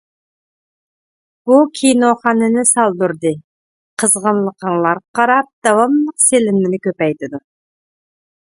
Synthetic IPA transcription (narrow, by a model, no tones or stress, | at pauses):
b̥ukʲʰijnoχɑnɨnɪsɑlˠd̪uɾd̪ɨ | qʰəzʁənlˠəqʰəɴlˠɑɾqʰɑɾɑp̚d̪̥ɑwɑmlˠəqselɪnmɪnɪkʲøpɛjt̪ɪd̪u